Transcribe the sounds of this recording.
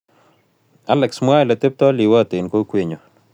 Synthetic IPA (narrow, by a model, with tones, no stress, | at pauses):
a˦lɛ˨ksm˦a˦˨la˨t̪e˦p̚t̪ɔ˦lɪ˨wa˦˨t̪ɪ˨nko˦kwe˦ɲo˨